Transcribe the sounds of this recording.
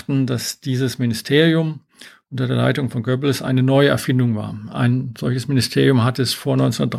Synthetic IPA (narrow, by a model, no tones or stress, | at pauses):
tn̩dasd̥iːzəsmɪnɪstʰeːʁ̞ijʊm | ʔʊntɐdeːɐla̰ɪtʊŋfɔnɡœbləsʔa̰ɪnənɔʏəɛ̰ɐfɪndʊŋva̰ːɐʔa̰ɪnz̥ɔlçəsmɪnɪstʰeːʁijʊmɦatəɛsfoːɐnɔʏnt͡sndɐtd̥ʁ